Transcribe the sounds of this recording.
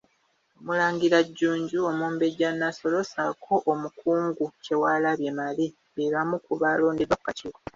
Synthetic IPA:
omulaːŋɡiɾaɟːuːɲɟuo̞muːmbe̞ɟanːaso̞losakʰo̞ʔːmukʰuːŋɡuce̞waːlaβjemali | βeβamukuβaːlo̞ːndeβakːaciwa

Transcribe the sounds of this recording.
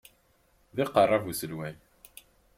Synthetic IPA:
ðɪqərˤːɑvusəlwæj

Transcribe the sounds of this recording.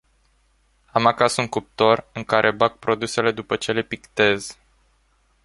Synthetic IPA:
amakasuŋkup̚t̪o̞rɨŋkaɾʔe̞bak̚pɾo̞d̪use̞le̞d̪upət͡ʃe̞le̞pikt̪e̞z

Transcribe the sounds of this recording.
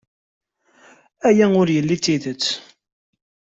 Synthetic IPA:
æjæʊɾjəlːit͡sːiðət͡sː

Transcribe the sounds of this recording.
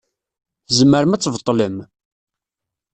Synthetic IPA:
zəmːəɾəmæt͡sːvət̪ˤːləm

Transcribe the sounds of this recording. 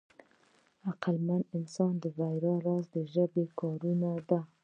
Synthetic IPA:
aqalmanɪnsɑnd̪əvajɾɑɾɑsd̪əʒəbekɑɾunad̪a

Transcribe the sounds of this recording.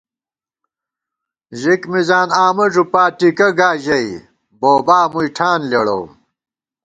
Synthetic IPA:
ʑikmizaːnaːmɐʐupaːʈikɐɡaːʑɐi | boːbaːmujʈʰaːnleɽo̰ː

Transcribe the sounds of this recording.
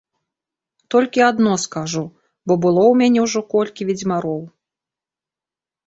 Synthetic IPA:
t̪ɔlʲkʲiad̪nɔskaʐu | bɔbɨlˠɔwmʲanʲɛwʐɔkɔlʲkʲivʲid͡zʲmaɾɔw

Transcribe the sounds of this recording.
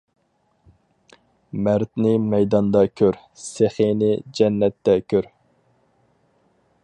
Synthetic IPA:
mæɾt̪nɪmɛjd̪ɑnd̪ɑkʲʰøɾ | seχenɪd͡ʒɛnːɛt̪ːɛkʲʰøɾ

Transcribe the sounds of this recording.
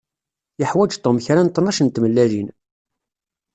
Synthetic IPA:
jəħwæd͡ʒt̪ˤːomçɾant̪ˤːnɑʃənt̪məlːæðin

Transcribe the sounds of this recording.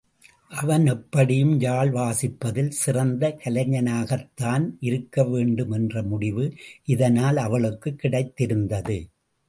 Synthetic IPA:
ʔɐʋɐnɛpːɐɽɪjɯmjaːɭʋaːsɪpːɐðɪlsɪrɐnd̪ɐkɐlɐɲɐnaːɣɐt̪ːaːnʔɪɾɯkːɐʋeːɳɖɯmɛndrɐmʊɽɪʋɯʔɪðɐnaːlɐʋɐɭɯkːɯkːɪɽɐɪt̪ːɪɾɯnd̪ɐðɯ

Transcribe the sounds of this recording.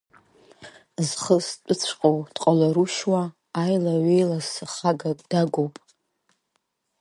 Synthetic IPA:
zχəst͡pʷʼʊt͡sʷʰqʼowd̥qʼalaɾuʃwaː | jlaɥejlasɨχaɡakʼd̥aɡʷowpʼ

